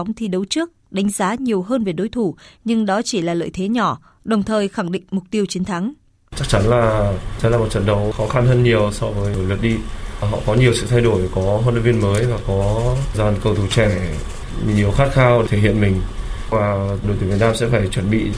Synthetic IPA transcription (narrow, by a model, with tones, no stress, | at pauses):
wŋ͡mt̪ʰi˨˩ɗə˨˦wt͡ɕɨ˦˥ək̚ɗa˨˦jŋ̟zaː˨˦ɲi˨˩əwɦəː˧nve˨˩ɗo˨˦jt̪ʰu˧˩ɲɨ˧ŋɗɔ˨˦t͡ɕi˧˩laː˨˩lə̰ː˧˨jt̪ʰe˨˦ɲɔ˧˩ | ɗə˨˩wŋ͡mt̪ʰəː˨˩jxa˧˩ŋɗḭ̈˧˨ŋ̟mʊ˨˩k͡p̚t̪i˧əwt͡ɕi˨˦ənt̪ʰa˨˦ŋ | t͡ɕa˦˥k̚t͡ɕa˨˦nlaː˨˩ə˨˧˦laː˨˩m˨˩t̚t͡ɕə̰˧˨nɗə˨˦wxɔ˨˦xa˧nhəː˧nɲi˨˩əwsɔ˧vəː˨˦jjlwə˨˩ət̚ɗi˧ɦɔ̰˧˨kɔ˨˦ɲi˨˩əwsɨ̰˧˨t̪ʰa˧jɗo˧˩jkɔ˨˦ɦoː˧nlə̰˧˨vi˧ənməː˨˦jvaː˨˩kɔ˨˦zaː˧˩nkə˧˩wt̪ʰu˧˩t͡ɕɛ˧˩ | ɲi˨˩əwxaː˦˥t̚xaː˧w̪ʰe˧˩hḭ˧˨ənmï˨˩ŋ̟vaː˨˩ɗo˨˦jt̪i˨˦vnaː˧msɛ̰˧˥faː˧˩jt͡ɕwə˧˩nɓḭ˧˨